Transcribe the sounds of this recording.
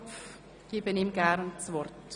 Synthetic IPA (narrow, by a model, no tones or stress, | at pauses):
f | ɡ̥iːbənimɡɛɾnsvɔrt